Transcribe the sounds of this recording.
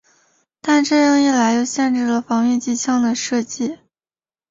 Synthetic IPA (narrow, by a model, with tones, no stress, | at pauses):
t̪a˥˧nʈ͡ʂɤ˥˧ɻɤ˥˧ŋi˥˩la˧˥ɪjo˥˧ʊɕjɛ˥˧nʈ͡ʂɻ̩˥˩lə˩fɑ˧˥ŋy˥˧t͡ɕi˥˧t͡ɕʰjɑ˥˩ŋd̪ə˩ʂɤ˥˧t͡ɕi˥˩